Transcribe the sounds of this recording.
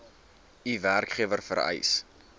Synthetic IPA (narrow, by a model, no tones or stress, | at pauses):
iværkχiəvərfə̰ɾə̰js